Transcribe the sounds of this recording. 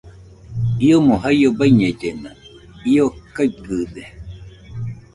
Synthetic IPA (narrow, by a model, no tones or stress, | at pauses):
iomoɦajobaiɲed͡ʒena | iokaikɨd̪e